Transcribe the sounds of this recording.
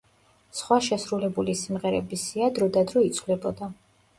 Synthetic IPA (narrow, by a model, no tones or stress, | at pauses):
sχwaʃɛsɾulɛbulisimʁɛɾɛbisiad̪ɾɔd̪ad̪ɾɔit̪sʰvlɛbɔd̪a